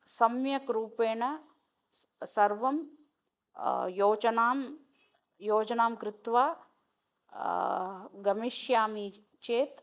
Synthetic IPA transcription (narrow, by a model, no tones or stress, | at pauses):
sɐmjɐkɾuːpeːɳɐ | sɐɾʋɐm | joːt͡ʃɐnaːm | joːd͡ʒɐnaːmkɾɪt̪ʋaː | ɡɐmiʃjaːmi | t͡ʃeːt̪